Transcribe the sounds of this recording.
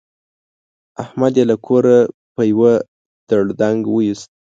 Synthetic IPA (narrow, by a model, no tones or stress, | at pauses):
ahmad̪jelakʰoɾapəjwə | d̪̥aɽd̪aŋɡwəist̪̚